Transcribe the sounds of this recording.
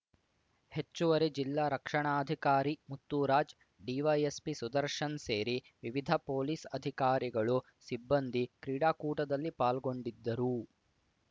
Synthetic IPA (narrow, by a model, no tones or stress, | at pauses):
het͡ʃːuʋɐɾed͡ʒilːaːɾɐkʂɐɳaːɐd̪ʱikaːɾimut̪ːuːɾaːd͡ʒ | ɖiːʋɐjespisud̪ɐɾʂɐnseːɾi | ʋiʋid̪ʱɐpoːlisɐd̪ʱikaːɾiɡɐɭu | sibːɐnd̪ʱikɾiːɽaːkuːʈɐd̪ɐlːipaːlɡo̞ɳɖid̪ːɐɾu